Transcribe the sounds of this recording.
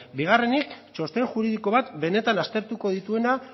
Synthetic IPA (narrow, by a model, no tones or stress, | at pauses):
biɣ̞are̞nikt͡ʃo̞st̪e̞ŋʝuɾið̞iko̞βat̪be̞ne̞t̪anast̪e̞ɾt̪uko̞ð̞it̪ue̞na